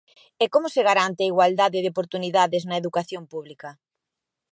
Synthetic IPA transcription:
ɛkomʊseɣaɾant̪eɐiɣwald̪aðɪðopoɾt̪uniðaðɪznɐeðukaθjompuβlikɐ

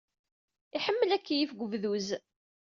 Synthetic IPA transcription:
iħəmːəlækːjifɡʷəvðuz

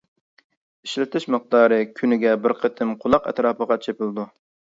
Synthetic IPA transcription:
iʃlɪt̪ʰɪʃmɨq̚t̪ɑːɾɨkʲʰynɪɡʲɛbɪɾqʰət̪ʰɪmqʰʊlˠɑqɛ̰t̪ɾɑːpəʁɑt͡ʃʰepɪlˠd̪u

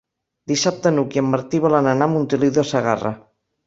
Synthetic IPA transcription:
d̪isap̚t̪ənukjəmːaɾt̪iβalananamunt̪iliðasaɣa̰ra̰

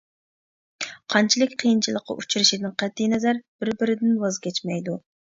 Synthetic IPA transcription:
qʰɑnt͡ʃʰilˠɪkʲqʰijint͡ʃʰilˠəqʰːɑ̰ʔut͡ʃʰuɾɪʃid̪ɪnqʰɛt̪ʰːijnɛzæɾb̥ɪɾbɪɾɪd̪ɪnwɑzkʲʰɛt͡ʃmɛjd̪u

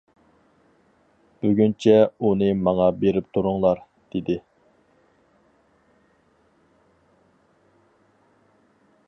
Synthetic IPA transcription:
b̥yɡʲynt͡ʃʰɛunɨmɑŋɑbeɾɪp̚t̪ʰuɾʊŋlˠɑɾ | d̪̥ed̪ɪ

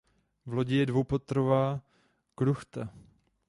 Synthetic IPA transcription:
vloɟɪjɛdvowpot̪ɾovaː | kɾuxt̪a

